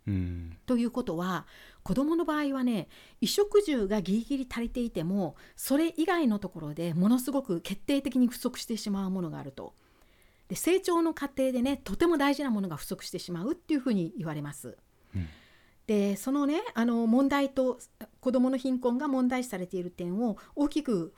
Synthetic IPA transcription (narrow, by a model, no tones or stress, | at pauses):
t̪o̞jɯ̟ːko̞t̪o̞βa | ko̞d̪o̞mo̞no̞baːiβane̞ | iɕo̞kɯ̟ʑɨːɡaɡʲiɾʲiɡʲiɾʲit̪aɾe̞t̪e̞it̪e̞mo̞so̞ɾe̞ʔiɡaino̞t̪o̞ko̞ɾo̞d̪e̞mo̞no̞sɨɡo̞kɯ̟ke̞t̪ːe̞ːt̪e̞kʲiɲ̟iɸɯ̟̥so̞kɯ̟ɕi̥t̪eɕimaɯ̟mo̞no̞ɡa̰ːɾɯ̟t̪o̞̰ | d̪̥e̞se̞ːt͡ɕo̞ːno̞kat̪e̞ːd̪e̞ne̞t̪o̞t̪e̞mo̞d̪aiʑinamo̞no̞ɡaɸɯ̟̥so̞kɯ̥ɕi̥t̪e̞ɕimaɯ̟t̪ːe̞iɯ̟ɸɯ̟ːɲ̟iːβaɾe̞masɨ̰ | d̪̥e̞so̞no̞ne̞ano̞mõ̞nd̪ait̪o̞ko̞d̪o̞mo̞no̞çĩŋkõ̞ŋɡamõ̞nd̪aii̥saɾe̞t̪e̞iɾɯ̟t̪ẽ̞ɰ̃o̞o̞ːkʲikɯ̟